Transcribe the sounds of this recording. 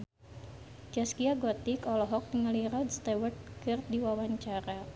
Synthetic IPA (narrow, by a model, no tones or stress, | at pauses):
t͡ʃɛskiaɡɔt̪ikɔlɔɦɔk̚nŋaliɾɔd̪st̪ɛwərt̪̚kɨr̚diwawaɲt͡ʃaɾa